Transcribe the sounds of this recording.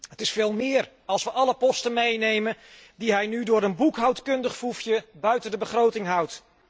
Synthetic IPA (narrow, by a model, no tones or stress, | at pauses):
ɦətɪsfeːlˠmɪːr | ɑlˠsʋəʔɑləpɔstənmejnejməndiɦɛjnydʊːɾənbukɦawtkɵndəχfufjəbœɥtəndəbəχrowtɪŋɦʌwt